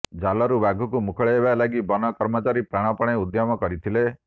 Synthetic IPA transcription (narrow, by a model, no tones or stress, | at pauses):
d͡ʒalɔɾubaɡʱukumukʰɔɭeebalaɡibɔnɔkɔɾmɔt͡ʃaɾipɾaɽ̃ɔpɔɽ̃eud̪jɔmɔkɔɾit̪ʰile